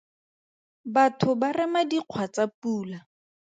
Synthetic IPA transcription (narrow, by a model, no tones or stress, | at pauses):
batʰʊbarɛmadiq͡χʰwat͡sapuːla